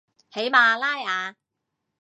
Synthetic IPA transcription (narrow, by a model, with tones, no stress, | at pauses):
he˨˥jmaː˨˧laː˥jaː˨˧